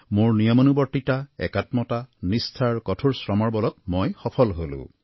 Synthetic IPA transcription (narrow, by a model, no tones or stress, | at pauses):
moɹnijɔmonubɔɹtitaɛ̰katmɔtanistʰaɹkɔtʰuɹsɹɔmɔɹbɔlɔk̚mojxɔpʰɔlɦolʊ̰̃